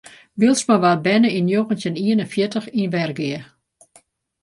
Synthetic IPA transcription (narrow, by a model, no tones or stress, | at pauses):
ʋiəlˠsmaʋat̚bɛnəinjoɣənsjəniənənfjɪtəxinʋɛrɡɪə